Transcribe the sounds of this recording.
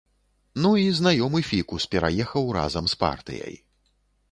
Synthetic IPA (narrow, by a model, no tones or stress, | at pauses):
nuiznajɔmɨfʲikuspʲɛɾa̰jɛxɐwra̰zɐmspa̰rt̪ɨ̰jɐ̰j